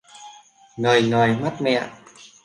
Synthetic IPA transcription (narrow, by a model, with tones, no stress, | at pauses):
ŋəː˨˩jŋəː˨˩jma˦˥t̚mɛ̰˧˨